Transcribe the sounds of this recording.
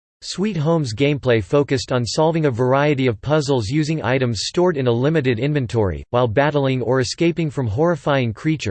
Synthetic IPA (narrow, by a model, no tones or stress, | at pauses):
swit̚ɦõʊ̃mzɡẽɪ̃mpʰl̥eɪfoʊkɨstn̩sɑlˠvɪ̃ŋɨvə˞aɪɨɾiʌv̥pʰʌzl̩ˠzjʉzɪ̃ŋa̰ɪɾɨ̃mz̥stɔɹɾɨ̃nəlɪ̃mɨɾɨɾɪ̃nvɨ̃ntʰɔɹḭwaɪlˠbæɾl̩ˠɪ̃ŋə˞ɨskeɪpɪ̃ŋfɹʌ̃mɦɔɹɨfaɪɪ̃ŋkʰɹ̥it͡ʃə̰˞